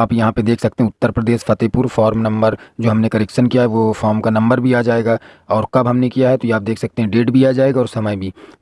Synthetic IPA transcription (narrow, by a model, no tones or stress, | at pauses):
aːpjɐɦãped̪eːkʰsɐk̚t̪eɦɛ̃ʊt̪ːəɾpɾɐd̪eːʃfɐt̪eːpʊɾfɔːɾmnɐ̃mbəɾd͡ʒoːɦɐmnekɐɾɛkʃənkijaɦɛʋofʰɔːɾmkanɐ̃mbəɾbʱiaːd͡ʒaːeːɡaːɔːɾkɐbɦɐmnekijaɦɛt̪ojaːp̚d̪eːkʰsɐk̚t̪eɦɛ̃ɖeːʈbʱiaːd͡ʒaːeːɡaɔːɾsɐməjbʱiː